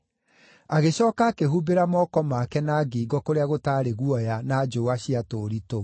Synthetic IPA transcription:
aɣeɕɔːkakeɦubeɾamɔkɔmaːkɛnaɡiɡɔkoɾeaɣotaɾeɣuɔjanad͡ʒowaɕiatoɾito

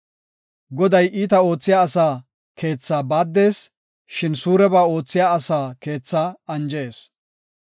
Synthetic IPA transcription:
ɡɔd̪ɐjʔiːt̪ɐo̞ːt͡sːɪjaːɐsaː | ke̞ːt͡sːaːbaːd̪ːe̞ːs | ʃɪnsuːɾɛbaːo̞ːt͡sːɪjaːɐsaːke̞ːt͡sːaːɐnd͡ʒeːs

